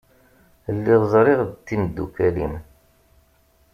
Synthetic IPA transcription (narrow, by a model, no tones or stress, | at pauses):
lːiðzˤɾˤɪʁd̪t̪ːind̪ːṵkælim